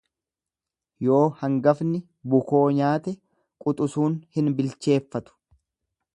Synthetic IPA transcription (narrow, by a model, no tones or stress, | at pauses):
jo̞ːhɐŋɡɐfnɪ | bʊko̞ːɲaːt̪ɛ | kʼʊt̪ʼʊsuːnhɪnbɪlt͡ʃe̞ːfːɐt̪ʊ̥